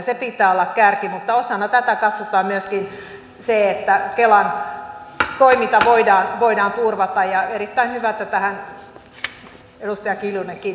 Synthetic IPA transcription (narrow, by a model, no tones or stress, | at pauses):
sepit̪ːˑæːolːɑkkærkimut̪ːɑosɑnːɑt̪æt̪ækɑt̪sot̪ɑːmmyøskin | seet̪ːækelɑn | t̪oimint̪ɑʋoidɑːnʋoidɑːnt̪urʋɑt̪ɑjjɑeɾit̪ːæinhyʋæt̪ːæt̪æhæn | edust̪ɑjɑkiljuneki